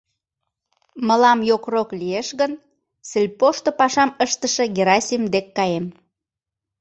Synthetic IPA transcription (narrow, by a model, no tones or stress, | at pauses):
məlɑmjokroklieʃɣən | selʲpoʃt̪opɑʃɑməʃt̪əʃə̆ɡʲeɾɑsʲimd̪ekːɑjem